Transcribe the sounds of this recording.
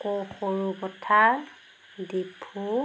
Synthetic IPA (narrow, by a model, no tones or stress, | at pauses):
koxoɹubɔtʰa | dibʰʱu